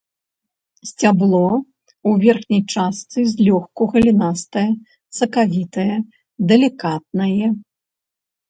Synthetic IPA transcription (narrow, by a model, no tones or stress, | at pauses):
sʲt͡sʲablˠɔ | uvʲɛrxnʲɐjt͡ʂast̪sɨzʲlʲɔxkuɣɐlʲinast̪ɐjɐ | sɐkavʲit̪ɐjɐ | d̪ɛlʲikat̪̚nɐjɛ